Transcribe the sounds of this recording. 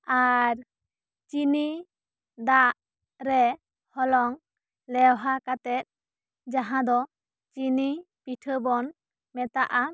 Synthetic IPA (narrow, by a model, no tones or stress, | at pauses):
aɾ | t͡ʃini | d̪aʔ | ɾɛ | hɔlɔŋ | lɛwɦakat̪ɛt̪̚ | d͡ʒaɦãd̪ɔ | t͡ʃini | piʈʰəbɔn | mɛt̪aʔa